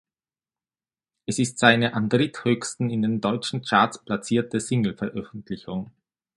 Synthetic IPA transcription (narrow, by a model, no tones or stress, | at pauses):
ʔɛsɪstz̥aɪnəʔandʁɪthøːçstn̩ɪndeːndɔʏt͡ʃn̩t͡ʃaːɐt͡spl̥at͡siːɐtəsɪŋl̩fɛɐʔœfn̩tʰlɪçʊŋ